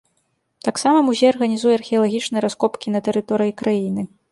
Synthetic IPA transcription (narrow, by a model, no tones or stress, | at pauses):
t̪aksamɐmuzʲejɐrɣɐnʲizujɛɐrxʲiɐlˠaɣʲit͡ʂnɨjɐɾaskɔpkʲinɐt̪ɛɾɨt̪ɔɾɨjikɾajinɨ